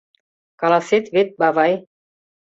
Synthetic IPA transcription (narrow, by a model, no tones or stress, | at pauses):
kɑlɑset̪βet̪̚bɑvɑj